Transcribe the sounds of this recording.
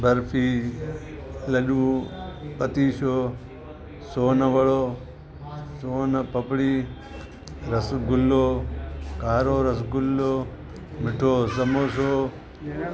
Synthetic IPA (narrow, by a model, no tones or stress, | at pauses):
bɐɾpʰiː | lɐɗuːpɐt̪iːʃoː | soːnɐʋɐɭoː | soːnɐpɐpɽiː | ɾɐsɡʊlːoːkaːɾoːɾɐsɡʊlːoː | mɪʈʰoːsɐmoːsoː